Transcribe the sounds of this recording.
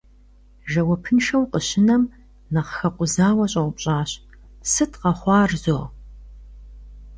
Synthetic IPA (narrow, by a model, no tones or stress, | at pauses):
ʒɐwɐpʰɨnʃɐwqəɕɪnɐm | nɐχxɐqʷʼʊzaːwɐɕʼɐwʷʊpɕʼaːɕ | sɨtʰqɐχʷɑːrzoːʁ